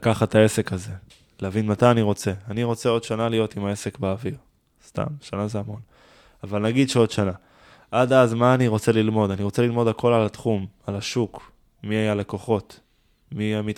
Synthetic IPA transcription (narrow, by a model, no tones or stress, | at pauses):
akaχat̪ae̞se̞kaze̞ | leavinmat̪ajaniʁo̞t͡se̞aniʁo̞t͡se̞o̞d̪ʃanalijo̞timaese̞kbeːviʁ | st̪a̰mʃanazeamo̞n | avalnaɡid̪ʃeo̞d̪ʃana | ʔadazmaːniʁo̞t͡se̞lilmo̞d̪aniʁo̞t͡seilmo̞d̪ako̞lalatχumalaʃuk | miajaleko̞χo̞t | miamit